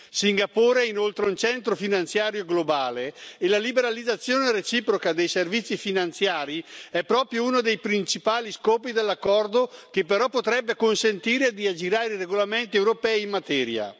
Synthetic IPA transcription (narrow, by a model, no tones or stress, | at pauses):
siŋɡapoːɾeinolt̪ɾeunt͡ʃɛnt̪ɾofinant̪sjaːɾjoɡlobaːleːlalibeɾalid̪at̪sːjoːneret͡ʃiːpɾokad̪ejservit̪sːifinant̪sjaːɾiɛpːɾɔːpɾjouːnod̪ejpɾint͡ʃipaːliskɔːpid̪elːakːɔrd̪okepːeɾɔpːot̪ɾɛbːekonsent̪iːɾed̪iad͡ʒiɾaːɾeireɡolament̪iɛwɾopɛːiːmmat̪ɛːɾja̰